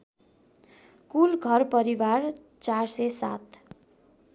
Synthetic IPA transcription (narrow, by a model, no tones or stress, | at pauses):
kulɡʱʌrpʌɾiwar | t͡sarsesat̪